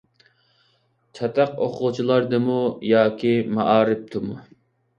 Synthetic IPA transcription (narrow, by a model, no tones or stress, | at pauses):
t͡ʃʰɑt̪ɑqoqʰʊt͡ʃʰilˠɑɾd̪ɨmujɑːkʲʰimɑ̰ʔɑːɾɪp̚t̪ʰɨmu